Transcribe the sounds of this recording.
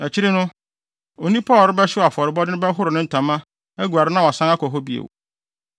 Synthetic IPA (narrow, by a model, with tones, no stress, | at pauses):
ɛ˨t͡ɕʰɪ˦ɾɪ˦nʊ̃˦ | o˨nĩ˦pʰɔ˦˨ɾɪ˦bɛ˦ɕɪ˦a˨fɔ˨ɾɪ˨bɔ˦dɪ˦nʊ̃˦bɛ˦ɦʊ˦ɾɪ˨nɪ̃˦n̩˨tʰã˨mã˦ | ɛ˦ɡu˨a˨ɾɪ˦nã˦wɔ˨sã˦ŋ˦a˦kʰɔ˨ɦɔ˦bi˦ḛ˨w